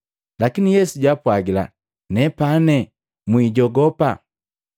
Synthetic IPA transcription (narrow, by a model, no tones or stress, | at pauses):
lakinijɛsuɟwapwaɡila̰ | nɛpanɛ | mwiɟɔɡɔpa